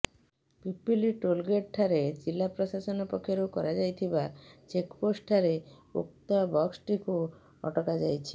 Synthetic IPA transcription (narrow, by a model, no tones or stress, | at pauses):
pipiliʈolɡeʈ̚ʈʰaɾed͡ʒilːapɾosasɔnɔpɔkʰːeɾokɔɾad͡ʒajt̪ʰibat͡ʃekposʈʈʰaɾe | ṵk̚t̪abɔksʈiku | ɔ̰ʈɔkad͡ʒajt͡ʃʰi̥